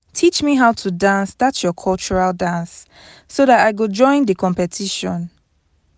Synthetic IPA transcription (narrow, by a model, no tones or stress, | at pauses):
tʰit͡ʃmiɦaʊtʰudãnsdatsjɔkʰɔlt͡ʃuɹaldãnsː | oðataɪɡud͡ʒɔ̃ɪ̃ndəkʰɔ̃mpɛtʰiʃɔ̃n